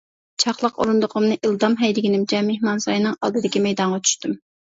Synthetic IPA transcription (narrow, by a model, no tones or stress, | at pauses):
t͡ʃʰɑχlˠəqo̰ɾund̪ʊqʰʊmnɨʔilˠd̪ɑmɦɛjd̪ɪɡʲinɪmt͡ʃʰɛmehmɑnsɑ̰jnɨŋɑ̰lˠd̪ɨd̪ɪkʲimɛjd̪ɑɴʁɑt͡ʃʰy̥ʃt̪ym